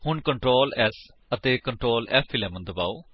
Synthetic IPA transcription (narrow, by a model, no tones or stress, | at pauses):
hʊɳkəɳʈɾoːlɛːs | ət̪eːkəɳʈɾoːlɛfʰilɛːmənd̪əba̰ːoː